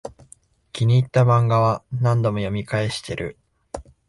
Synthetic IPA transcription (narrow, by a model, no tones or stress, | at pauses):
kʲiɲ̟iːt̪ːamãŋɡaβanãnd̪o̞mo̞jo̞mʲikae̞ɕi̥t̪e̞ɾɯ̟̰